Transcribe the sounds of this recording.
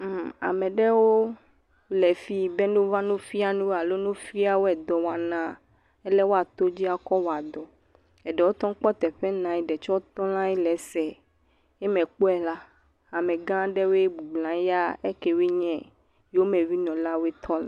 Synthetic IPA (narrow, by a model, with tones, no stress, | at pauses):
m˦a̰˨mɛ̃˨ɖɛ˦wo˦ | lɛ˨fi˦bɛ˦nũ˦vã˦nũ˦fi˦a˨nũ˦wa˨lo˦nũ˦fi˦a˨wo˦ɛ˨d̪ɔ˨wa˨nã˦ | ɛ˦lɛ˦wo˦a˨t̪o˦d͡ʑi˦a˨kɔ˦wo˨a˨d̪ɔ˨ | ɛ˨ɖɛ˨wo˦t̪ɔ̃˦ŋ˦k͡pɔ˦t̪ɛ˨ɸɛ˦nã˨i˨ɖɛ˨t͡ʃɔ˦o˦t̪ɔ̃˦lã˦i˦lɛ˨sɛ˨ | ɛ˦mɛ̃˨k͡po˦ɛ˨la˦ | a˨mɛ̃˨ɡã˦ɖɛ˦we˦bu˨ɡ͡blã˨˦ja˦e˦ke˨wi˦ɲɛ̃˦ | jo˦mɛ̃˨vi˦nɔ̃˨la˦wɛ˦t̪ʰɔ˦l